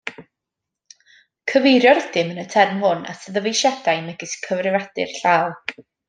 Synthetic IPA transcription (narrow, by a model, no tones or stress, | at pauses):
kʰəvejɾjɔɾɛd̥ɪmənətʰɛrmhʊna̰səðəvejʃɛdajmɛɡɪskʰəvrɪvad̥ɪ̰rɬaːlˠ